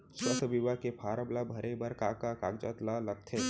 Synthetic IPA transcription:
ʃɐsbiʋakepʰaːɾəblabʱɐɾebɐɾkaːkakaːɡd͡ʒət̪lalɐɡ̚t̪ʰeː

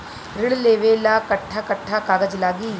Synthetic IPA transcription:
ɾɪɭleːʋeːlaːkɐʈʰːakɐʈʰːakaːɡɐd͡ʒlaːɡiː

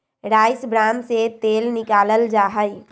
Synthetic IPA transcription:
ɾajsbɾanset̪elnikaləld͡ʒaɦəj

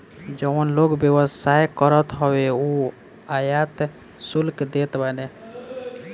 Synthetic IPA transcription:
d͡ʒɔnloɡbjəʋəsaɦkəɾət̪ɦɔweu | ajat̪ | sulkd̪et̪bane

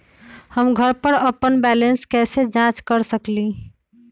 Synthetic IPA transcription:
həmɡʱəɾpəɾəpːənbɛlənskɛsed͡ʒãt͡ʃkəɾsəkli

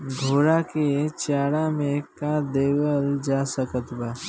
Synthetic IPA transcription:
ɡʱoːɾaket͡ʃaːɽamẽkad̪eːwəld͡ʒaːsəkət̪baː

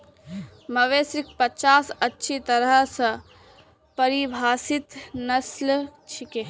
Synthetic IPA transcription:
məʋesɾɪk̚ʰpət͡ʃaːsətːʃʰit̪əɾəɦsə̃ | pəɾibʱaːsɪt̪nəslt͡ʃʰikeː

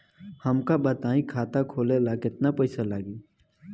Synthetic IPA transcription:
hɐmkabət̪aːĩkʰaːt̪akʰoːlelakɪt̪napɐɪsalaːɡiː

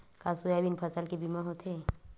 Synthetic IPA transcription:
kaːsujabinpʰəsəlkebimaɦot̪ʰe

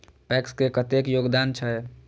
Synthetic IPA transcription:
pɛkskekət̪ekjoɡd̪ant͡ʃʰə

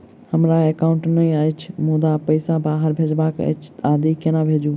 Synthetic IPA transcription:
hɐmɾaeːkãʊ̃ɳʈnɐĩaːit͡ʃʰmoːd̪apɐɪsabaːɦəɾbʱed͡ʒbaːkə̰t͡ʃʰaːd̪ikenabʱeːd͡ʒũ

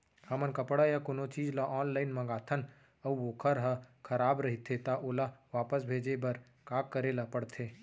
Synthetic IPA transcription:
həmənkəpɽajakonot͡ʃiːd͡ʒlaʔɔːnlaːɪnmə̃ɡaːt̪ʰən | əuoːkʰəɾɦəkʰəɾaːbɾəɦit̪ʰet̪aʔoːlaʋaːpəs̬bʱeːd͡ʒebəɾ | kaːkːəɾeːlapəɽt̪ʰe

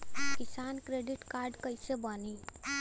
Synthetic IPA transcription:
kɪsaːnkɾeɖiʈkaːɾɖkəɪsebəni

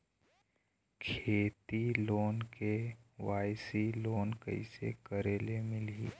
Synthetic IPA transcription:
kʰeːt̪iloːnkeʋaːjsiloːnkə̰ɪsḛkəɾeːlemɪli

